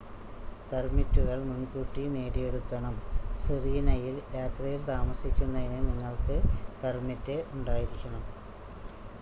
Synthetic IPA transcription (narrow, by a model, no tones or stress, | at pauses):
permitːuɣɐɭmunkuːʈːine̞ːɽijeɽukːɐɳɐmsiriːnɐjiljaːt̪rɐjilt̪aːmɐsikʲːunːɐðinɨniŋːɐɭkɨpermitːeuɳɖaːjiɾikʲːɐɳɐm